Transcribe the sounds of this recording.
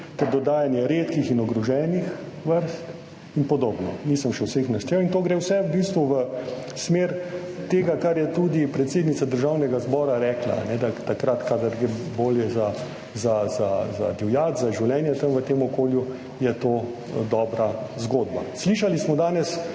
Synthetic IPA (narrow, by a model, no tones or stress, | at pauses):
t̪ɛɾd̪ɔd̪aːjanjɛɾeːt̪kixinɔɡɾɔʒɛːnixʋəɾst̪ | inpɔd̪oːbnɔ̰niːsəmʃɛwsexnaʃt̪ɾewint̪oːɡɾewsɛwbiːst̪ʋuʋə | smeːɾ | t̪eːɡakaɾjɛt̪ud̪ipɾɛt̪seːd̪nit̪ad̪əɾʒawnɛɡazbɔːɾaɾɛːkla̰a̰nɛd̪at̪akɾat̪kad̪ɐɾɡɾeboːljɛza | zaza̰za̰d̪iwjaːt̪zaʒiwlɛːnjɛt̪əmʋət̪eːmɔkoːlju | jɛt̪oː | d̪ɔːbɾazɡoːd̪ba̰sliːʃalismɔd̪aːnɛs